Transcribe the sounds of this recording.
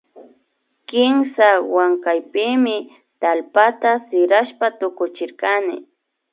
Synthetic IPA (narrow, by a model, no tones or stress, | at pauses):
kɪmsawaŋkajpɪmɪ | t̪alpat̪asɪɾaʃpat̪ʊkʊt͡ʃɪɾkanɪ̰